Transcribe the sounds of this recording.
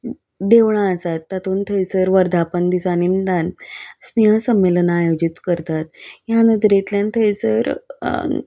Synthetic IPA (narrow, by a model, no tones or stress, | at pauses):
d̪eʋɳ̃ãːsat̪ːat̪uːnt̪ʰəjsəɾʋəɾd̪ʱapənd̪isanimd̪ansneɦə̃səmːelənajod͡ʑit̪kəɾt̪at̪̚janəd̪ɾet̪ljant̪ʰəjsəɾ